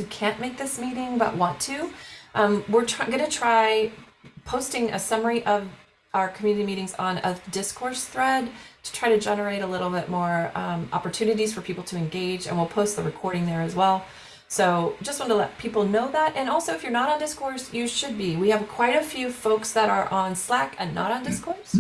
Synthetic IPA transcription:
ɨkʰæ̃nmeɪk̚ðɪsmiɾɪ̃ŋbʌ̰ʔ̚wɑ̃ntʰʉʔʌ̃mwɪɹtʰɡʌnɨtʰɹ̥aɪpʰoʊstɪ̃ŋɨ̰sʌmə˞iʔʌv | aʊə˞kʰmjʉnɨɾimiɾɪ̃ŋzn̩ə̰dɪskʰɔɹsθɹɛdtʰɨ̥tʰɹ̥aɪɾɨd͡ʒɛnə˞eɪɾəlɪɾl̩ˠbɪt̚mɔɹʌ̃ɑ̰pə˞tʰʉnɨɾiz̥fə˞pʰipl̩ˠtʰɨɨ̃nɡeɪd͡ʒɨ̰̃nwilˠpʰoʊst̪̚ðəɹɨkʰɔɹɾɪ̃ŋðə˞ɨzwɛlˠ | soʊd͡ʒʌst̚wɑ̃ntəlɛ̰t̚pʰipl̩ˠnoʊðæɾʔɨ̃nɔlˠsoʊɨfjə˞nəɾn̩dɪskɔɹsjɨʃɨd̚biwiɨv̥kʰw̥aɪɾɨfjʉfoʊksðəɾə˞ʔə̃nslækɨ̃nːə̰ɾn̩dɪskʰɔɹs

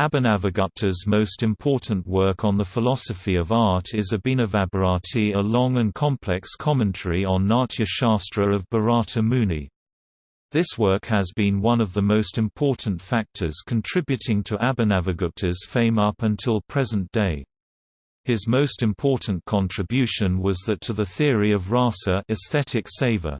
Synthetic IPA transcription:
æbɨ̃nævəɡʌp̚tʰəzmoʊstɨ̃mpʰɔɹʔn̩ʔwɜ˞kʰn̩ðəfəlɑsəfiʌvɑɹtɪzɨbĩnəvæbə˞ɑtʰiəlɔ̃ŋə̃nkʰɑ̃mpʰl̥ɛkskʰɑmɨ̃ntʰəɹiə̃nːɑɹt͡ʃiɨʃɑˑstɹ̥əɹʌvbə˞ɑˑɾəmʉnḭ | ðɪswɜ˞khəzbĩnwʌ̃nʌvðəmoʊstɨ̃mpʰɔɹʔn̩tfæk̚tʰə˞z̥kʰə̃n̩tʰɹ̥ɪbjʉɾɪ̃ŋtʰəʔæbɨnævəɡətʰəz̥fẽɪ̃mʌpə̃ntʰɪlˠpʰɹ̥ɛzə̃nd̥eɪ | ðɪzmoʊstɨ̃mpʰɔɹʔn̩kʰɑ̃ntʰɹ̥ɨbjʉʃɨ̃nwʌzðɨtʰəðəθɪəɹiʌvɹɑˑsəɨsθɛɾɪkseɪvə̰˞

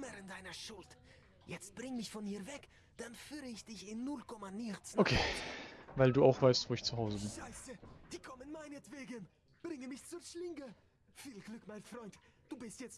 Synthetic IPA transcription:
mɛʁənd̥aɪnɐʃʊlt | jɛt͡st̚b̥ʁɪŋmɪçfɔniːɐvɛk | d̥anfyːʁəɪçd̥ɪçɪnːʊlkʰɔmanit͡sokʰeː | vaɪlduːaʊxv̥aɪstvoːɪçt͡suɦaʊzəbɪnzaɪstəd̥iːkʰɔmənmaɪnətv̥eːɡən | b̥ʁɪŋəmɪçt͡suːɐʃlɪŋɡə | fiːlɡlʏkmaɪnfʁ̥ɔʏntd̥uːbɪstjɛt͡st

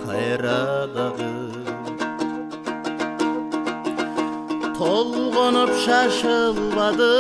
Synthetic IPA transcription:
qʰɑjɾɑd̪ɑʁə | qʰolˠʁonəpʃɑʃəlˠbɑd̪ə

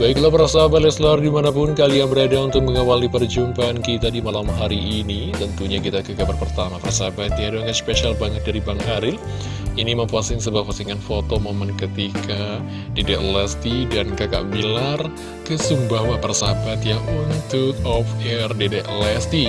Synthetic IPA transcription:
baiklapəɾasaɦabat̪̚lɛslaardimanap̬ʊnkaliaŋbəɾadaunt̪ʊk̚məŋawaldipərd͡ʒumpankit̪adimalamɦaɾiʔːnit̪ənt̪uɲakit̪akakaʔbərpərt̪amapərsaabat̪̚jaduaŋɡat̪speʃalbaŋət̪̚daɾibaŋɦaɾɪl | iniməmpuasɪŋsəbap̚fasiŋanfot̪omomankət̪ika | dedɛʔlɛst̪idankaka̰ʔbilar | kəsumbawapərsaabat̪jaʔunt̪ʊk̚ɔfɛrdedɛʔlɛst̪i

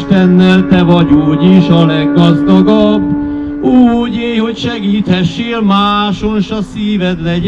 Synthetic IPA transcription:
t̪ɛnːɛlt̪ɛvɒɟuːɟiʃɒlɛɡːɒzd̪ɒɡɒbː | uːɟeːjho̞cʃɛɡiːt̪hɛʃːeːlmaːʃonʃɒsiːvɛd̪lɛ

